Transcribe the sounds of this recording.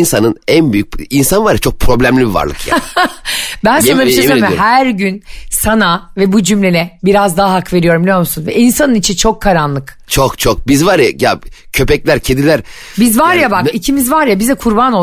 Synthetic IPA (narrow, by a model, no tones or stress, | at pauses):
nsanɯnænbyjyc̚insanvaɾjat͡ʃʰok̚pʰɾo̞blʲæmlʲibiva̰ɾlˠɯkja̰ | bænsanaemiɦæɾɟynsanavɛbud͡ʒymlʲenɛbiɾazd̪aɦaɦakve̞ɾijo̞ɾumbilʲjo̞ɾmusunvɛ̰ʔinsanɯnit͡ʃʰint͡ʃʰo̞kʰːaɾanlˠɯk | t͡ʃʰokt͡ʃʰo̞k̚bizvaɾja̰jacʰø̞pɛclʲæɾcʰed̪ilʲæɾ | bizvaɾjabakicʰimizvaɾjabizɛkʰuɾbano